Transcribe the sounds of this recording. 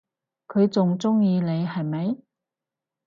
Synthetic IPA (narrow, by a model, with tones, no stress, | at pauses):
kʰɵ˨˧ɥt͡sʊ˨ŋt͡sʊ˥ŋjiː˧ne˨˧jhɐ˨jmɐ˨˥j